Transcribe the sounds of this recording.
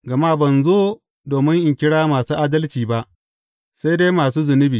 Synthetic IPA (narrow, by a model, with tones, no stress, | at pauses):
ɡɐ˨maː˦bɐ˨nzoː˦ | doː˨mɪ˦ŋʔɪ˨ŋkʲɪ˦ɽaː˦maː˨suː˦ʔaː˦dɐ˦lt͡ʃiː˨ba˦ʔ | sa˦jde˦maː˨s̬uː˦zʊ˨nɪ˦biː˨